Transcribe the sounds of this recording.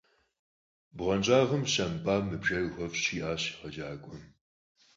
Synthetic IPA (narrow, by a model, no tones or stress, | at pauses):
bʁɐnt͡ʃʼaːʁɐmɕɐmpʼaːmɨbʒɐrxʷɐfɕiːaːɕi̥ʁɐd͡ʒaːkʷʼɔ